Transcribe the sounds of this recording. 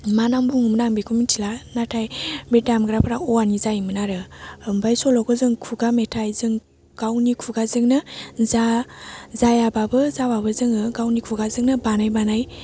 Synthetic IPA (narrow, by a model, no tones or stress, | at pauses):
manaŋbuŋɯmnaŋbekʰumintʰilanatʰajbedamɡɾapʰaɾaɔanizajmɯnaɾɯmbajsɔlɔɡɯzɯŋkʰuɡametʰajzɯŋ | ɡ̥awnikʰuɡazɯŋnɯza | zajababɯzawabɯzɯŋɯɡawnikʰuɡazɯŋnɯbanajbanaj